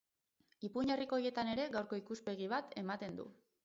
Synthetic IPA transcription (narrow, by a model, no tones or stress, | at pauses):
ipuɲeriko̞je̞t̪ane̞ɾe̞ɣawɾko̞ikuspe̞ɣ̞iβ̞at̪ʰe̞mat̪e̞nd̪ṵ